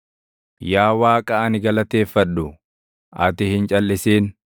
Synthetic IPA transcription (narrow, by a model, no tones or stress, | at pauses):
jaːwaːkʼɐʔɐnɪɡɐlɐt̪e̞ːfːɐᶑːʊ | ʔɐt̪ɪhɪnt͡ʃʼɐlːɪseːn